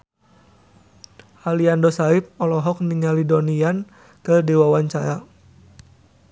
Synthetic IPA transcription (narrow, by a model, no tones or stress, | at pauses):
ʔaliandɔsaip̚ɔlɔɦɔk̚niŋalidɔnian | kərdiwawaɲt͡ʃaɾa